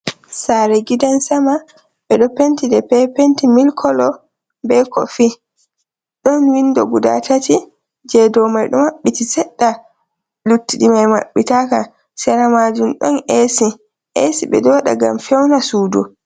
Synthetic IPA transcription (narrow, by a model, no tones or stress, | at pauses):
saɾɛɡidansama | ɓɛɗɔpentidɛpɛpentimilkʰɔlɔ | bɛkɔ̰fi | ɗɔnwindɔɡuda̰tati | d͡ʒɛdɔmajɗɔmaɓːitisɛɗːa | lutːiɗimajma̰ɓːitaka | sɛɾamad͡ʒumɗɔnesi | ʔesiɓɛ̰dɔwaɗa̰ɡa̰mfɛwnasuːdɔ